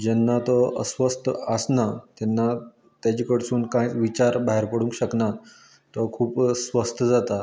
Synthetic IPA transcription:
d͡ʑɛnːat̪ɔəsʋəst̪ʰəsnat̪ɛnːa | t̪jat͡ɕiːkəɽsuːnkãjt͡sʋit͡ɕaɾbaɦeɾpəɽũŋkɕəkna | t̪ɔkʰuːpsʋəst̪ʰəd͡zat̪a

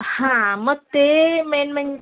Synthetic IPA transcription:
hãmət̪emɛnmɛɲ

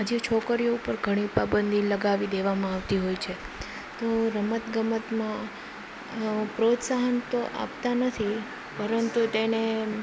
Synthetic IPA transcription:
ɦad͡ʒet͡ʃʰokəɾijoupəɾɡʱəɽ̃ipabənd̪iləɡaʋid̪eʋamãaʋt̪iɦojt͡ʃʰe | t̪oɾəmət̪ɡəmət̪mã | pɾot̪saɦənt̪oʔa̰pt̪anət̪ʰi | pəɾənt̪ut̪ene

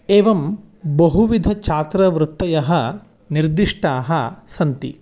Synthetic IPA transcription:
eːʋɐm | bɐɦuʋid̪ʱɐt͡ʃʰaːt̪ɾɐʋɾut̪ːɐjɐɦɐ̆ | niɾd̪iʂʈaːɦɐ̆sɐnt̪ḭ

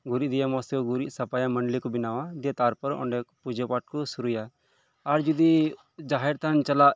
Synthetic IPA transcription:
ɡuɾiʔd̪ijamɔst̪jɔɡuɾiʔsɐpajaməɳɖlikɔbinawad̪ijat̪aɾpɔɾɔʔɔ̰ɳɖɛkpud͡ʒɔpaʈ̚kɔsuɾujaː | ɾd͡ʒud̪i | d͡ʒaɦɛɾt̪ʰant͡ʃalaʔ

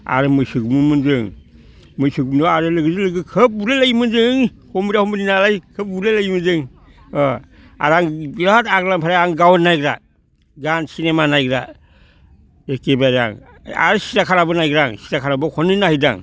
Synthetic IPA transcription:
a̰ɾɯmɯjsɯɡumɯmɯnd͡ʒɯŋ | mɯjsɯɡumnɔaɾɯlɯɡɯzɯlɯɡɯkʰɯp̚uɾelajmɯnzɯŋ | hɔmbiɾahɔmbɯninalajkʰɯp̚ulelajmɯnd͡ʒɯŋ | aɾaŋaataɡlampʰaɾajaŋɡawnːajɡɾa | ɡansinemanajɡɾa̰ | ekebaɾa̰ŋ | a̰ɾɯsi̥takʰaɾabɯnajɡɾaŋsi̥takʰaɾabɯkʰɔninahijda̰ŋ

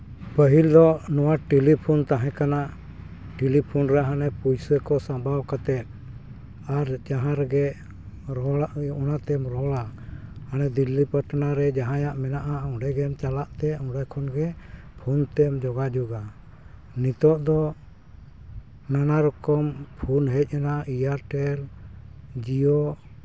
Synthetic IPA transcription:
pəɦild̪ɔnɔwaʈilipʰunt̪aɦɛ̃kanaʔ | ʈilipʰunɾɛɦanɛpujsəkɔsãbʱawkat̪ɛt̪̚ | aɾd͡ʒaɦãɾɡɛ | ɾɔnat̪ɛmɾɔlahanɛd̪ilːipəʈnaɾɛd͡ʒaɦãjaʔmɛnaʔaɔɖɛɡɛmt͡ʃalaʔt̪ɛɔ̃ɖajkʰɔnɡɛ | pʰunt̪ɛmd͡ʒɔɡad͡ʒɔɡa | nit̪ɔʔd̪ɔ | nanaɾɔkɔmpʰunɦɛc̚ˀanaijaɾʈɛl | d͡ʒijɔ

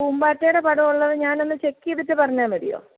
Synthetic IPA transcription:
uːmbaːtːeːɾepɐɽɐuɭːɐðɨɲaːnenːɨt͡ɕekːijɐðɐtːɨpɐrɐɲːaːmʋɐɽḭjo̰ː

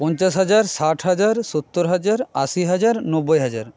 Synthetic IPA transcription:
pɔnt͡ɕasɦad͡ʑaɾsaʈʰɦad͡ʑaɾsot̪ːoɾɦad͡ʑaɾa̰siɦad͡ʑaɾnɔbːojɦad͡ʑaɾ

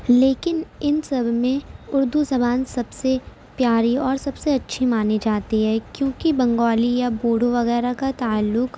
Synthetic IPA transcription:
leːkɪnɪnsɐbʱmẽʊɾd̪uzɐmaːnsɐbse | pjaːɾiɔːɾsɐbseɐtːʃʰimaːned͡ʒaːt̪iɦɛːkjõːkibɐ̃ŋɡɔːlijaboːɽoʋɐɣɛːɾakat̪aːəlːʊk

